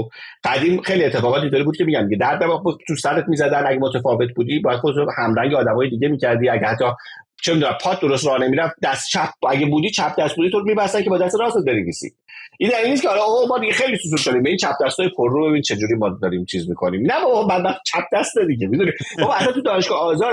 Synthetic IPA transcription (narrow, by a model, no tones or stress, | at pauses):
ɡ̥æd̪iːmxejlie̞t̪ːeɒːɣɒːt̪̬ʰit̪ʰɔɾibud̪̚cʰemiːɟæmd̪iɟed̪æɾd̪æmɒbt̪ʰusæɾet̪mizæd̪ænæɟemot̪ʰefɒːve̞t̪̚ʰbuːd̪ibɒːjæd̪̥χod̪euhæmɾæŋɟeːd̪æmɒːjed̪iɟemiːcʰæɾd̪iæɟehæt̪ʰːɒ | t͡ʃʰemid̪unæmpʰɒːt̪̚ʰd̪o̞ɾost̪ɾɒːhnemiɾæfd̪æst̪t͡ʃʰæp̚æɟebuːd̪iːt͡ʃʰæp̚d̪æst̪buːd̪it̪ʰoɾmibæsænkcʰebɒːd̪æst̪eɾɒːset̪̚be̞neviːsḭ | ʔind̪æinːiscʰehɒlɒomɒːd̪iɡexejlisusuɾdɒɾimbeiːnt͡ʃʰæp̚ʰd̪æst̪ɒːjepʰoɾːube̞bint͡ʃʰe̞d͡ʒuːɾiːmɒd̪ɒɾimt͡ʃʰizmikʰonimnæbɒbmænmæt̪t͡ʃʰæp̚ʰd̪æst̪ned̪iɟemid̪unibɒbhæt̪ːæt̪ʰud̪ɒːneʃɡ̥ɒɒːzɒːɾ